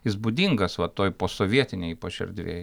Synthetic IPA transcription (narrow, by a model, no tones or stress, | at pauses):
ɪsbuːd̪ʲiŋɡɐsʋɐt̪oːjpoːsoːʋʲiɛt̪ʲɪnʲɛɪpoːʃʲɛ̰ɾʲd̪ʲʋʲḛːj